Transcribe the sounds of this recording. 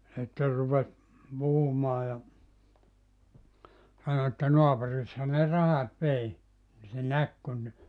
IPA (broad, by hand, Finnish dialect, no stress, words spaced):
sitːer rupes puhumɑː jɑ sɑno etːæ noɑpurishɑ ne rɑhɑt ʋei ni se næk kun